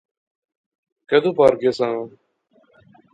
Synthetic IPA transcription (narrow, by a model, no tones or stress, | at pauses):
kəd̪uːpaːɾkesãː